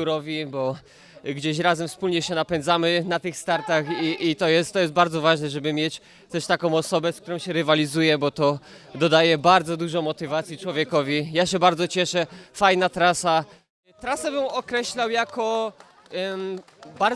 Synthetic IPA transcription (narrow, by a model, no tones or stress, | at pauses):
uɾɔvʲibɔ | ɡd͡ʑeɕ̬ɾazɛmfspulɲɛɕɛnapɛnd̪zamɘnat̪ɘxst̪aɾt̪axiʔit̪ɔjɛst̪ːɔjɛst̪baɾd̪zɔvaʐnɛʐɛbɘmʲjɛt͡ɕ | t̪ɛʂt̪akɔ̃w̃ɔsɔbɛsk̚t̪uɾɔ̃w̃ɕɛɾɘvalʲizujɛbɔt̪ɔ | d̪ɔd̪ajɛbaɾd̪zɔd̪uʐɔ̃mɔt̪ɘvat̪sʲjit͡ʂwɔvʲjɛkɔvʲijaɕɛbaɾdzɔt͡ɕɛʂɛfajnat̪ɾasa | t̪ɾasabɘmɔkɾɛɕlawjakɔ | baɾ